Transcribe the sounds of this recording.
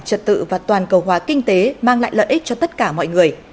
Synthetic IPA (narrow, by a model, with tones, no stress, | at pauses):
t͡ɕə̰˧˨n̚t̪ɨ̰˧˨vaː˨˩t̪waː˨˩nkə˨˩wɦwaː˨˦kï˧ŋ̟t̪e˨˦maː˧ŋla̰ː˧˨jlə̰ː˧˨ʔi˦˥k̟̚t͡ɕɔ˧t̪ə˦˥t̚kaː˧˩mɔ̰˧˨jŋɨ˨˩əj